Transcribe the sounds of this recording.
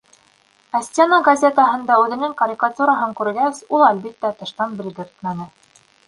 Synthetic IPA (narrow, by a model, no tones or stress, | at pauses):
æsʲt̪ʲenəɡɐzʲe̞t̪əɦɤ̆nd̪ɑʉðɘ̆nɘŋkɐɾʲikat̪uɾɑɦɤŋkʉɾɡæsulˠælbit̪ːæt̪ɤ̆ʃt̪ɑnbɘ̆lɡɘ̆ɾt̪mænɘ